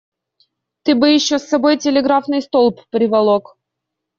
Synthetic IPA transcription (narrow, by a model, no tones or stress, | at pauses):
t̪ɨbɨjɪɕːosːɐbo̞jtʲɪlʲɪɡɾafnɨjst̪olˠppɾʲɪvʲɐlˠok